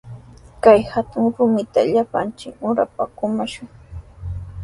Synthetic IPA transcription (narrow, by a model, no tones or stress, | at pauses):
kajhat̪ʊŋɾʊmɪt̪aʎapant͡ʃɪʊɾapakʊmaʃʊŋ